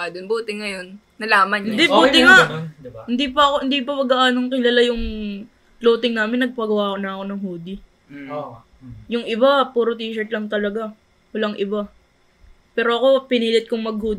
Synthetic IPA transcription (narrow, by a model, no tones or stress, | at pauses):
ad̪ʊnbuːt̪ɪŋɐjonːɐlaːmɐnɪnd̪ibuːt̪ɪŋahɪnd̪iːpɐɐkohɪnd̪ipɐmɐɡɐʔaːnoŋkɪlalajʊŋ | ploːt̪ɪŋnaːmɪnːɐɡ̚pɐɡɐwaːkonɐɐko̞nɐŋhuːd̪i | jʊŋʔɪbapuːɾot̪iːʃɛɹt̪lɐŋt̪ɐlɐɡa | wɐlaŋʔɪba | pɛːɾo̞ɐko̞pɪniːlɪt̪̚koŋmɐɡ̚huːd̪